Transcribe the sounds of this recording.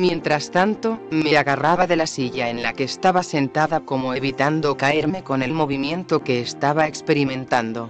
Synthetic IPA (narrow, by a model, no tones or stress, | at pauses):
mjẽ̞nt̪ɾast̪ant̪o̞me̞aɣaraβaðe̞lasiʝae̞nlake̞ːst̪aβase̞nt̪aðako̞mo̞e̞βit̪and̪o̞kae̞ɾme̞ko̞ne̞lmo̞β̞imjẽ̞nt̪o̞ke̞ːst̪aβaekspe̞ɾimẽ̞nt̪and̪o̞